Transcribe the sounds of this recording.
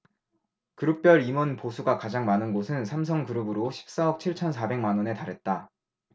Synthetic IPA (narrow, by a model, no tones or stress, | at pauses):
kɯɾɯk̚p͈jʌɾimɯnposʰuɡakad͡ʑaŋmanɯnɡosʰɯnsʰams̬ʰʌŋkɯɾɯbɯɾoɕʰi̥p̚s͈aʌk̚t͡ɕʰiɭt͡ɕʰʌnsʰabe̞ŋmanwʌne̞taɾɦe̞t̚t͈a